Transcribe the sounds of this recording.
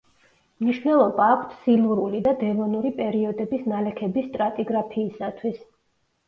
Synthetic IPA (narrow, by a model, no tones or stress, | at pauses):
mniʃvnɛlˠɔbaːkʷʰt̪ʰsilˠuɾulid̪ad̪ɛmɔnuɾipʼɛɾiɔd̪ɛbisnalɛkʰɛbist̪ʼɾat̪ʼiɡɾapʰiːsat̪ʰwis